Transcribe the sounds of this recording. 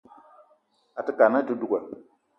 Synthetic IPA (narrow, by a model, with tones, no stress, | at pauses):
a˨tə˦ka˨na˦tu˦du˦ɡa˨